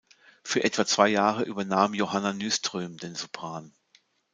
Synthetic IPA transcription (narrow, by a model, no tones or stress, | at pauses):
fyːɐʔɛtv̥at͡sv̥aɪjaːʁəʔyːbɐnaːmjohananystʁ̥øːmdeːnzupʁ̥aːn